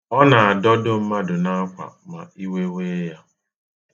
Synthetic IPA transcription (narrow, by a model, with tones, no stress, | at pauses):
ɔ˦na˨a˨dɔ˦dʊ˦m̩˦ma˦dʊ˨na˦a˦kʷa̰˨ma̰˨i˦we˦we˦ja˦